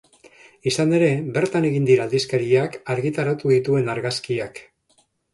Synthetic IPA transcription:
isane̞ɾe̞be̞ɾt̪ane̞ɣind̪iɾaːld̪iskaɾiakaɾɣit̪aɾat̪uðit̪ue̞naɾɣaskiak

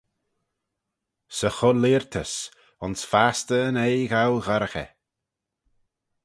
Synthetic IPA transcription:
səxʊlɪɹt̪ʰəs | ʊnsfast̪ənejɣawɣaɾəxɛ̰

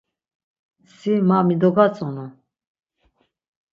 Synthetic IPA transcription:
simamid̪ɔɡat͡sʼɔnɔ

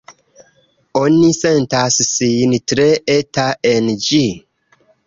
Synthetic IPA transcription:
onisentassijntɾeetaend͡ʒi

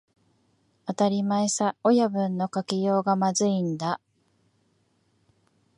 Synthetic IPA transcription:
at̪aɾʲimaesao̞jabɯ̟̃nːo̞kakʲijo̞ːɡamazɨĩnd̪a

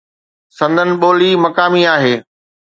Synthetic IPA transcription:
sɐ̃nd̪ʱənɪ̆ɓoːlimɐkaːmiaːɦeː

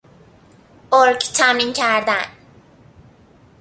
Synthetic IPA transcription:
ʔoɾkʰt̪ʰæmincʰæɾd̪æn

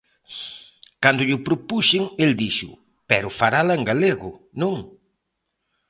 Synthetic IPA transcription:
kand̪ʊʎʊpɾʊpuʃɪŋeld̪iʃʊ̰ | pɛɾʊfaɾalaeŋɡaleɣʊ | nõŋ

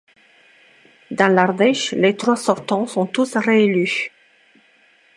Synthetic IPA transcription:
d̪ɑ̃laʁd̪ɛʃlet̪χwasɔʁt̪ɑ̃sɔ̃t̪usʁeely

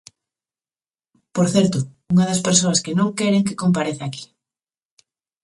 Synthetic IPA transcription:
poɾθɛɾt̪ʊ | uŋɐðɐspeɾs̬oɐskenõŋkɛɾeŋke̥kompaɾeθaaki̥

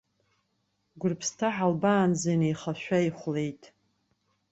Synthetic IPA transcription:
ɡʷʊrpʰstʰaħalbaːnzejnejχaʃʷᶣaiχʷle̞jtʼ

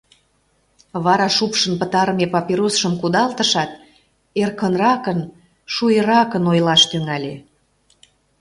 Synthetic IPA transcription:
βɑɾɑʃupʃənpət̪ɑɾəmepɑpiɾosʃəmkud̪ɑlt̪əʃɑt̪ | erkənrɑkən | ʃujəɾɑkənojlɑʃt̪yŋælʲe

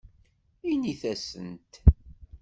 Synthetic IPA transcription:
iniθæsə̰nt̪

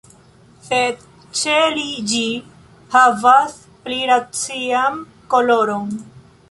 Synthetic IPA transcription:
sed̪̚ | t͡ʃelid͡ʒi | havas | pliɾat͡siam | koloɾon

